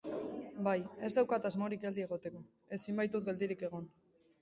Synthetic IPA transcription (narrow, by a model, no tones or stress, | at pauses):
baje̞zd̪awkat̪azmo̞ɾikɡeld̪ie̞ɣ̞o̞t̪e̞ko̞ | e̞simbajt̪ut̪̚ɡe̞ld̪iɾike̞ɣ̞o̞n